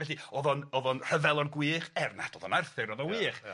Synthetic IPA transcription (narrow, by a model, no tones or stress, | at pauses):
vɛɬiɔðɔnɔðɔnr̥əvɛlˠɔnɡwiːχɛrna̰d̥ɔðɔnarθɪɾɔðɔnwiːχ